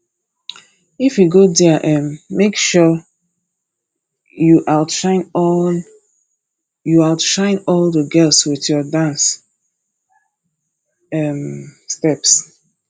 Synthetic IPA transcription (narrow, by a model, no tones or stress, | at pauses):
ifjuɡodɛʔɛ̃nmekʃɔ | juʔalʃãɪ̃n | jualʃãɪ̃nɔldəɡɜlˠswiθjɔdãns | ɛmstɛps